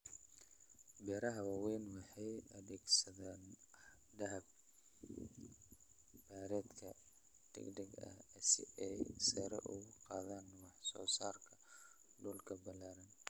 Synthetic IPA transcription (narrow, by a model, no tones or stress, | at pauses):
bɛːɾɐɦɐwaːwɛːnwɑħɑjɐðɛːɡsɐðaːn | dɐɦɐb̚ | baːɾɛːd̪kʰɐ̰ | d̥ɛ̰ɡɖɐɡɐ̰sɪ̰ʔɛjsɛɾɐ̰ʔʊɣʊqɑːðaːnwɑħsɔ̰ːsaːrkʰɐ | ɖuːlkʰɐbɐlaːɾɐn